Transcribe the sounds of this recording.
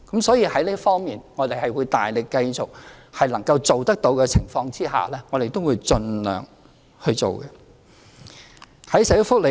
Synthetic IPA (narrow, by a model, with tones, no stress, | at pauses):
kɐ˨˥msɔː˨˥jiː˧hɐ˨˥jliː˥ɐ˥tfɔː˥ŋmiː˨nŋɔː˨˧t̪e˨jhɐ˨˩jwuː˨˧jt̪aː˨jlɪ˨kːɐ˧jt͡sʊ˨k̚hɐ˨jlɐ˨˩ŋkɐ˧wt͡so˨wt̪ɐ˥k̚t̪o˨˥wkɛ˧t͡sʰɪ̰˨˩ŋfɔː˧ŋt͡siː˥ɦa̰ː˨˩lɛː˥ŋɔː˨˧ɾe˨jt̪o˥wuː˨˧jt͡ʃɵ˧nlœ̰ː˨˩ŋ | hɵ˧t͡so̰˨wkɛ˧ | hɐ˨˥jsɐ˨˥jʊ˥fʊ˥k̚le˨